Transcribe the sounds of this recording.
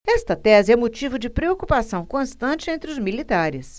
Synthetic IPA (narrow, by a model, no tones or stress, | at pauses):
ɛst̪ɐt̪ɛzɪɛmot͡ʃivʊd͡ʒɪpɾeokupasɐ̃w̃kõst̪ɐ̃nt͡ʃɪẽnt̪ɾɪʊzmilit̪aɾɪs